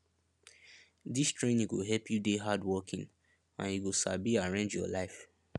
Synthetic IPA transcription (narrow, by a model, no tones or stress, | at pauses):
distɹẽniɡoɦɛlpʰjudeɦadwɔkʰḭ̃ŋ | ã̰niɡosa̰biaɹẽnd͡ʒjɔ̰laɪf